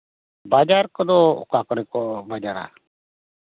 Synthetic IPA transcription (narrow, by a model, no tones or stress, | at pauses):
baːd͡ʒaːɾkəd̪o̰ːkaːkɔɾikobaːd͡ʒaːɾa̰ː